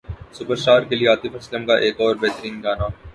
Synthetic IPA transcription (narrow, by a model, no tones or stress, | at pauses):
sʊpəɾʃaːɾkelieaːt̪ifʰɐsləmkaʔeːkɔːɾbɛɦt̪əɾiːnɡaːna